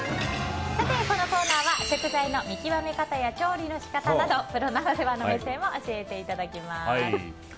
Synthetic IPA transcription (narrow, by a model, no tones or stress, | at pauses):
sat̪e̞ko̞no̞ko̞ːnaːβase̞kɨzaino̞mʲikʲiβame̞kat̪ajat͡ɕo̞ːɾʲino̞ɕi̥kat̪anad̪o̞pɯ̟ɾo̞naɡad̪eβanomesẽ̞mːo̞ʔoɕie̞t̪e̞it̪ad̪akʲimas